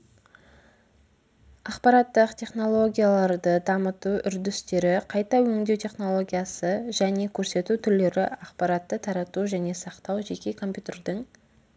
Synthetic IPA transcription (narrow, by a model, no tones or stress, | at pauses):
ɑqpɑɾɑt̪ːəqt̪ʰʲe̞χno̞lˠo̞ɡʲijalˠɑɾd̪əd̪ɑmət̪uʔʏɾd̪ɪst̪e̞ɾɪqʰɑjt̪ɑwɵŋd̪e̞wt̪ʰʲe̞χno̞lˠo̞ɡʲijasəʒæne̞kʲʰɵɾse̞t̪ut̪ʰʏɾle̞ɾɪɑqpɑɾɑt̪ːət̪ʰɑɾɑt̪uʒæne̞sɑqt̪ɑwʒe̞kʲe̞kʰo̞mpʲjut̪ʲe̞ɾd̪əɴ